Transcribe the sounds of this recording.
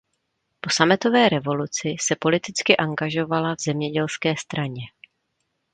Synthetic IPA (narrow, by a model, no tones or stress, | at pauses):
po̞samɛt̪o̞vɛːɾɛvo̞lut͡sɪsɛpo̞lɪt̪ɪt͡skɪʔaŋɡaʒo̞valavzɛmɲɛɟɛlskɛːst̪ɾaɲɛ